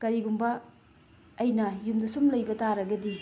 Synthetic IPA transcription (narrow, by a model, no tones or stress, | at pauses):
kɐɾiɡumbɐː | jnɐjumdɐsumlɐjbɐtaɾɐɡɐdi